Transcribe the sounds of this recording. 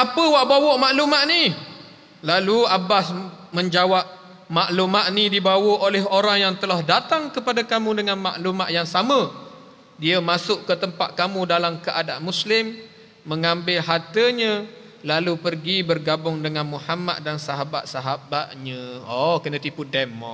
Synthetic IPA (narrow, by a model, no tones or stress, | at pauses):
apəwaʔbawɔʔmaʔlumaʔni | laluabasməɲd͡ʒawap̚ | maʔlumaʔnidibawəʔolɛɦoɾaŋjaŋt̪əlahdat̪aŋkəpadakamũdəŋanmaʔlumaʔjaŋsamə | diəmasʊʔkət̪əmpaʔkamudalamkəʔadaʔmuslɪmː | əŋambɪlɦat̪əɲə̃ | lalupərɡibərɡabʊŋdəŋanmuhama̰t̪̚dansaɦaba̰t̪̚saɦabaʔ̪ɲəokənət̪ipudɛmːɔ̰